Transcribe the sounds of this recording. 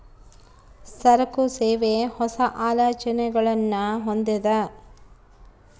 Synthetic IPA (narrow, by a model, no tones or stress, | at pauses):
ssɐɾɐkuseːʋehɔsɐʔaːlɐːt͡ʃɐnɛɡɐɭɐnːɐɦond̪ɐd̪ɐ